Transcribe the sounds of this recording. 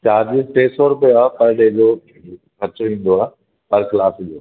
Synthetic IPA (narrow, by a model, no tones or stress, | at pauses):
t͡ɕaːɾd͡ʑisʈeːsɔɾʊpijoaːpɐɾɗẽːd͡ʑo | kɐt͡ɕoĩːn̆d̪oaː | pɐɾklaːsd͡ʑoː